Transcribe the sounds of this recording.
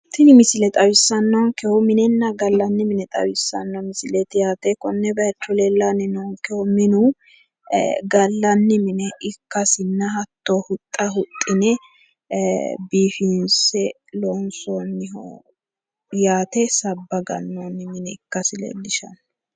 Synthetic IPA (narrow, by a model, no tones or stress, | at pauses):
t̪ɪnɪmɪsɪlɛt̪ʼɐwɪsːɐnːoŋkɛhɔmɪnɛnːɐɡɐlːɐnːɪmɪnɛt̪ʼɐ̰wɪsːɐ̰nːɔmɪsɪlɛt̪ɪjaːt̪ɛkɔnːɛbɐɐt͡ʃːɔlɛlːanɪnoːŋkɛhɔmɪnʊ | ɡɐlːɐnːɪmɪnɛʔɪkːɐsɪnːɐɦɐt̪ːohʊt̪ʼːɐɦʊt̪ʼːɪnɛ | biːfɪnsɛ | loːnsoːnːɪ̰ | jaːt̪ɛsɐbːɐɡɐnːoːnːɪmɪnɛɪkːɐsɪlɛ̰dɪʃɐ̰nːɔ̥